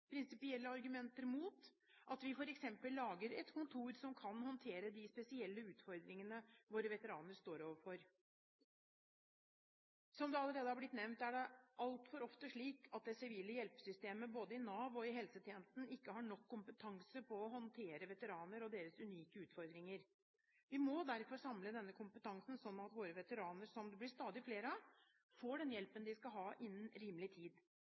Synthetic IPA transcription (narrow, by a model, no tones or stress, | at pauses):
pʰɾɪnsɪpɪɛlːəɑɾɡʉmɛnt̪əɾmuːt̪ | ʔɑt̪ʋɪfɔɾɛksɛmpəlːɑːɡəɾɛt̪kʰʊnt̪ʰuːɾsɔmkʰɑnhɔnt̪ʰeːɾəd̪ɪspɛsɪɛlːəʉːt̪fɔɾd̪ɾɪŋənəʋoːɾəʋɛt̪əɾɑ̰ːnəɾʂt̪oːɾoːʋəɾfɔɾ | sɔmd̪ɛɑlːəɾeːd̪əhɑɾblɪt̪nɛʋnt̪æɖɛʔɑlt̪fɔɾɔft̪əʂɭiːkʰɑt̪̚d̪ɛsɪʋiːləjɛlpsʏst̪eːməboːd̪əɪnɑːʋɔɪɦɛlsət̪ʰjeːnəst̪n̩ɪkːəhɑːɳɔkʰːʊmpət̪ʰɑŋsəpʰɔːɦɔnt̪ʰeːɾəʋɛt̪əɾɑːnəɾɔd̪eːɾəsʉniːkəʉːt̪fɔɾd̪ɾɪŋəɾ | ʋɪmɔd̪æɾfɔɾʂɑmləd̪ɛnːəkʰʊmpət̪ʰɑŋsn̩sɔnːɑt̪ʋoːɾəʋɛt̪əɾɑːnəɾsɔmd̪ɛblɪʂst̪ɑːd̪ɪfleːɾəɑ | foːɖɛnjɛlpənd̪ɪskɑɦɑːʔɪnːənɾiːməlɪt̪ʰiːd̪